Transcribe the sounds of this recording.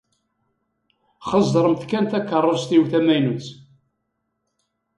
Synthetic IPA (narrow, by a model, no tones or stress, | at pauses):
χəzˤd̪əɾˤəmθkænt̪ækːərˤːəst̪iwθæmæjnut͡s